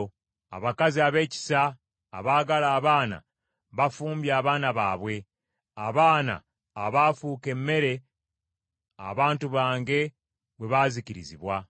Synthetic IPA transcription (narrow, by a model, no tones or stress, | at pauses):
a̰βakaziaβe̞ːci̥saː | βaːɡalaːβaːna̰ | βafuːmbjaːβaːnaβaːβwe̞ | aβaːna̰ː | βafuke̞mːe̞ɾe̞ | a̰βaːntuβaːŋɡe̞ | βwe̞βaziciɾḭziβwa